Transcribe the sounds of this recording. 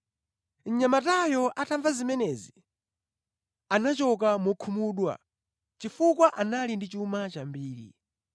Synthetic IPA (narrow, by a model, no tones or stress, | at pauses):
n̩ɲamatajɔʔatʰaɱvazimɛnɛzi | anat͡ʃɔk̬amɔkʰumuɗwa̰ | t͡ʃifukwaʔanalindit͡ʃumat͡ʃambiːɾḭ